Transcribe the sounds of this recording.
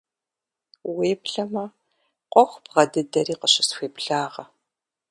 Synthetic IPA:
weːpɬɐmɐ | qʷʼɔxʷbʁɐdɨdɐriːqəɕɪsxʷeːpɬaːʁɐ

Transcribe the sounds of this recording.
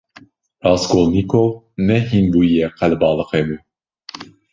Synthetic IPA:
ɾɑːskolniko | nɛhinbuːjɛqʰɛlbɑːlɨxemu

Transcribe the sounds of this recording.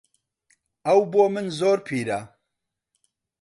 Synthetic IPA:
ɐwboːmɨnzoːɾpʰiːɾa

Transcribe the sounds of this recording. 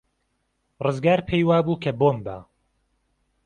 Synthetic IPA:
rɨzɡaːɾpʰejwaːbuːkʰɐboːmba̰

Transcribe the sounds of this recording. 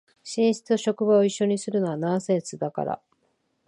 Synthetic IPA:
ɕĩɰ̃ɕi̥t͡sɨoɕo̞kɯ̟bao̞iɕːo̞ɲ̟isɨɾɯ̟no̞βanãɰ̃sẽ̞ɰsɨd̪aka̰ɾa̰

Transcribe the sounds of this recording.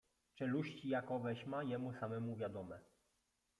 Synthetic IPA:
t͡ʂɛluɕt͡ɕijakɔvɛɕmajɛmusamɛmuvʲjad̪ɔmɛ

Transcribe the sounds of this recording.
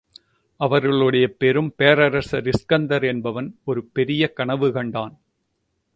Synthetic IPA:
ʔɐʋɐɾɣɐɭɯɽɐjɐpɛɾɯmpejɐɾɐɾɐsɐɾɪskɐnd̪ɐɾɛnbɐʋɐnɔɾɯpɛɾɪjɐkɐɳɐʋɯkɐɳɖaːn

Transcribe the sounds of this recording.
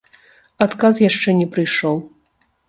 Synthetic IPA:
at̪kasjaʂt͡ʂɛnʲɛpɾɨjʂɔw

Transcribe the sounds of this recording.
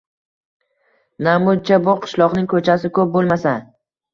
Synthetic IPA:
namʊd̪̚t͡ʃʰabʊqʰɨ̥ʃlˠɒqnɪŋkʰɵt͡ʃʰasɪkʰɵp̚bolˠmasa

